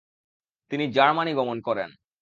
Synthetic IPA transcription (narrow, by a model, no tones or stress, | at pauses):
t̪inid͡ʑaɾmaniɡɔmonkɔɾḛn